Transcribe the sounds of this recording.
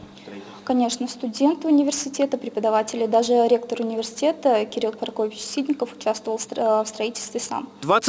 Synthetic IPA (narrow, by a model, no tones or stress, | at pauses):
kɐnʲe̞ʂnəst̪ʊdʲe̞nt̪ʊnʲɪvʲɪrsʲɪtʲe̞t̪əpɾʲɪpəd̪ɐvatʲɪlʲɪd̪aʐɨɾʲe̞kt̪əɾʊnʲɪvʲɪrsʲɪ̥tʲe̞t̪əkʲɪɾʲilˠpɐɾɐkovʲɪt͡ɕsʲid̪ʲnʲɪkəfʊ̥t͡ɕast̪vəvəlˠfst̪ɾɐitʲɪlʲst̪vʲɪsa̰md̪vat̪s